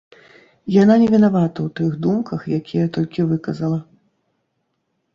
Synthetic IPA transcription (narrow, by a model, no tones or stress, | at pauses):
jananʲɛvʲinavat̪ɐwt̪ɨɣd̪umkɐxjakʲijɐt̪ɔlʲkʲivɨkɐzɐlˠɐ